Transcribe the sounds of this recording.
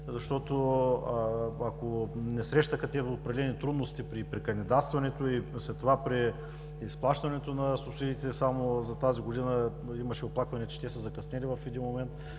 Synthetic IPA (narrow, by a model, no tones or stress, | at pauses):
zɐʃt̪ɔt̪o | akonɛsɾɛʃt̪əxɐt̪ɛvot̪̚pɾɐd̪ɛlɛnit̪ɾud̪nost̪ipɾipɾikɐnɛd̪ast̪vɐnɛt̪oislɛt̪ːovapɾiː | splˠaʃt̪ɐnɛt̪onɐsʊpsid̪iːt̪ɛsamozɐt̪aziɡod̪inə | imɐʃɛoplˠakvɐnʲɛt͡ʃɛ̥t̪ɛsəzɐkɐsnɛlivɐfɛd̪inmomɛnt̪